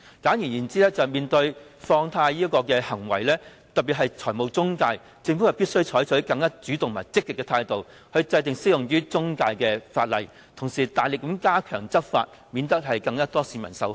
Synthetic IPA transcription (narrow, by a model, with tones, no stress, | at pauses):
kaː˨˥njiː˨˩njiː˨˩nt͡siː˥lɛː˥t͡sɐ˨wmiː˨nt̪ɵ˧ɥfɔː˧ŋt̪ʰaː˧jiː˥ɐ˥kɔː˧kɛː˧hɐ˨˩ŋwɐ˨˩jlɛː˥ | t̪ɐ˨t̚pːiː˨t̚ɦɐ˨jt͡sʰɔː˨˩jmo˨˧wt͡sʊ˥ŋkaː˧j | t͡sɪ˧ŋfu˨˥hɐ˨wpiː˥t̚sɵ˥ɥt͡sʰɔː˨˥jt͡sʰɵ˨˥kɐ˧ŋːaː˥t͡syː˨˥t̪ʊ˨ŋmaː˨˩jt͡sɪ˥kːɪ˨kːɛː˧t̪ʰaː˧jt̪o˨w | hɵ˧ɥt͡sɐ˧jt̪̬ɪ˨ŋsɪ˥jʊ˨ŋjyː˥t͡sʊ˥ŋkaː˧jkɛː˧faː˧t̚lɐ˨j | t̪ʰʊ˨˩ŋsiː˨˩t̪aː˨jlɪ˨k̚ːmkaː˥kʰœː˨˩ŋt͡sɐ˥p̚fa̰ː˧t̚ | miː˨˧nt̪ɐ˥k̚ɦɐ˨jkɐ˧ŋːaː˥t̪ɔː˥siː˨˧mɐ̰˨˩nsɐ˨˥w